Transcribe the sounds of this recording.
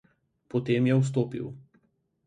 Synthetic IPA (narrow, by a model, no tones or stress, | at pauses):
pɔt̪eːmjɛws̬t̪oːpḭw